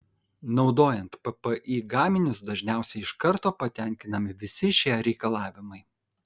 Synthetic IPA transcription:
nɒʊd̪oːjɛnt̪pɐpəʔiːɡɑːmʲɪnʲʊsd̪ɐʒʲnʲæˑʊsʲɛɪɪʃkɐɾt̪oːpɐt̪ʲɛˑŋʲkʲɪnɐmʲɪʋʲɪsʲɪʃʲiɛɾʲɛɪkɐlˠɑːʋʲɪmɐɪ

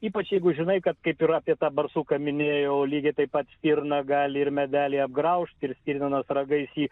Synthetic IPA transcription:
iːpɐt͡ʃjɛɪɡʊʒʲɪnɐɪkɐt̪kɐɪpɪɾɑːpʲiɛt̪ɑːbɐrsuːkɐmʲɪnʲeːjoːlʲiːɡʲɛɪt̪ɐɪpɐt̪sʲt̪ʲiːɾnɐɡɑːlʲɪɪɾmʲɛd̪ʲæːlʲeːɐb̚ɡɾɐʊʃʲt̪ʲɪɾsʲt̪ʲiːɾnʲɐnɐsrɐɡɐɪsiː

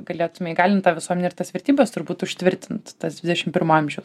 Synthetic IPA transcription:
ɡɐlʲeːt̪ʊmʲɛɪɡɑːlʲɪnt̪ɑːʋʲɪsuɔmʲɛnʲɛɪrt̪ɐsʋʲɛɾʲt̪ʲiːbʲɛst̪ʊɾbuːt̪ʊʃʲt̪ʲʋʲɪɾʲt̪ʲɪnt̪tɐsd̪ʋʲɪd̪ʲɛʃʲɪmpʲɪɾmoɐmʲʒʲɛʊs

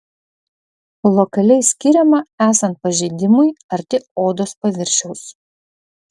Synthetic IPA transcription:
lˠɔkɐlʲɛɪsʲkʲɪɾʲɛmɐæːsɐnt̪̚pɐʒʲɛɪd̪ʲɪmʊɪɐɾʲt̪ʲɪoːd̪oːspɐʋʲɪɾʲʃʲɛʊs

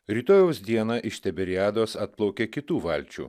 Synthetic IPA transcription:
ɾʲiːt̪oːjoʊsd̪ʲiɛnɐʔɪʃt̪ʲɛbʲɛɾʲɪæːd̪oːsɐt̪̚plˠɐʊkʲeːkʲɪt̪uːʋɐlʲt͡ʃʲṵː

